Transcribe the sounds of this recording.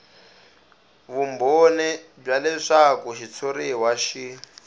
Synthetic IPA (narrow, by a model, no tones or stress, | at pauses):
βumbonɛ | b͡ʐalɛʂakuʃit͡sʰoɾiwaʃi